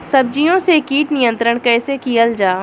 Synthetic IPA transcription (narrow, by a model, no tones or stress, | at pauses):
sɐb̚d͡ʒijõsekiːʈnijə̃nt̪ɾəɽ̃kɛːsekijəld͡ʒaː